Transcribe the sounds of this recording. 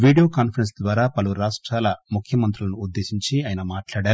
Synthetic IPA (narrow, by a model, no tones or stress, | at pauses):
ʋiːɽijoːkaːnpʰɐɾensd̪ʋaːɾaːpɐluɾaːʂʈɾaːlɐmukʰjɐmɐnt̪ɾulɐnuːd̪ːe̞ːsiɲt͡ʃiaːjɐnɐmaːʈlaːɽaːɾu